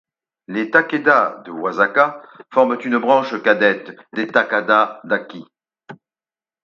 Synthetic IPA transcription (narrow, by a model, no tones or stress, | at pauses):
let̪aked̪ad̪əwazakafɔʁmt̪ynəbʁɑ̃ʃkad̪ɛt̪d̪et̪akad̪ad̪akʲi